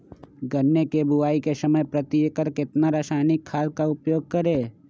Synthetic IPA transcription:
ɡənːekebʱʊaːikesəməjpɾət̪iːkəɾkɪt̪naɾaːʃaːnɪkʰːaːlkaʊpjoːɡ̚kɐɾeː

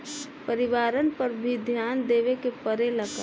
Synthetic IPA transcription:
pəɾiʋaːɾənpəɾbʱid̪ʱjand̪eːʋekepəɾeləkə

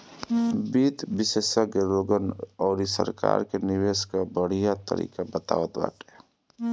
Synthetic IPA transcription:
biːt̪bɪseːsakeɾoːɡənɔːɾisə̰ɾka̰ːɾkenɪʋeːskabəɽ̤ijat̪ə̰ɾḭːkabət̪a̰ːʋət̪ba̰ːʈɛ

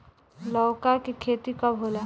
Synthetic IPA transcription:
lɔːkakikʰeːt̪ikabʱɦoːla

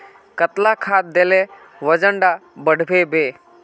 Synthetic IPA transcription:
kət̪lakʰaːt̪̚d̪ele | ʋəd͡ʒəɳɖabəɽ̤ʱbʱebeː

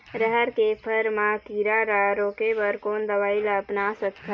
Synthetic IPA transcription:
ɾəɦəɾkepʰəɾmãkiːɾaɾaɾoːkebəɾkoːnd̪əʋaːilapnaːsət̪kʰ

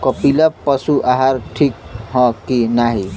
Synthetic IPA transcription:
kɔpiləpːʌsuʔaɦaɾʈʰik̚ɦɔ̃kinaɦi

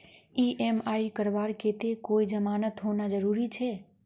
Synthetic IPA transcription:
iʔemaikəɾʋaɾket̪ekoid͡ʒəmanət̪ɦonad͡ʒəɾuɾit͡ʃʰe

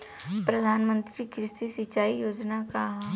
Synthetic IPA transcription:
pɾɐd̪ʱaːnmə̃nt̪ɾikɾɪst̪isɪt͡ʃaːijoːd͡ʒnaka

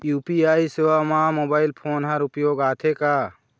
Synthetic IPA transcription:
juːpiaːisewamamoːbaːɪlpʰoːnɦɐɾʊpjoːɡaːt̪ʰeka

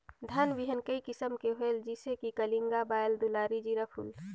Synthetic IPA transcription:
d̪ʱənʋiɦənkəikɪsəmkeɦoeld͡ʒisekikəliŋɡabaːjld̪ulaːɾid͡ʒiɾəpʰṵl

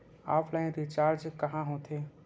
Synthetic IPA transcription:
a̰ːpʰlaẽɾit͡ʃaːɾd͡ʒkɐɦãɦõt̪ʰe

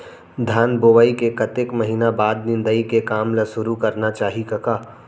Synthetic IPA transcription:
d̪ʱaːnboːʋaːikekɐt̪ekmɐɦiːnabaːd̪̚nɪ̃nd̪əikekaːmlasʊɾukɐɾnat͡ʃaːɦikɐkaː

